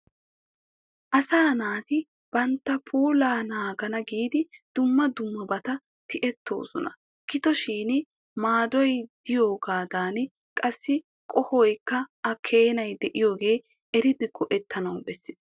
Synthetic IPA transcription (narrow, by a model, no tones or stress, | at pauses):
ʔɐsaːnaːt̪ɪ | b̥ɐnt̪ːɐpʰuːlaːnaːɡɐnɐɡiːd̪ɪd̪̥ʊmːɐd̪ʊmːɐbɐt̪ɐ | t̪ɪʔɛt̪ːo̞̰ːsɔ̰nɐ | kɪt̪ɔʃiːn | maːd̪ɔjd̪̥ɪjo̞ːɡaːd̪aːn | kʼɐsːɪ | kʼɔhɔjkːɐɐkʰe̞ːnɐjd̪ɛʔɪjo̞ːɡe̞ː | ɛɾɪd̪ɪɡɔʔɛt̪ːɐnɐwbɛsːɪ̥s